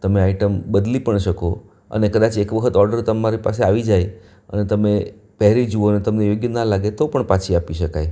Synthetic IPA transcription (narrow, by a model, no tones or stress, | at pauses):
t̪əmeaiʈəmbəd̪lipəɳʃəko | ə̰nekəd̪at͡ʃekʋəkʰət̪ɔɾɖəɾt̪əmːaɾipaseaʋid͡ʒaj | ə̰net̪əme | pɛɦɾid͡ʒuoənet̪əmnejoɡjənalaɡet̪opəɳpat͡ʃʰiapiʃəkaj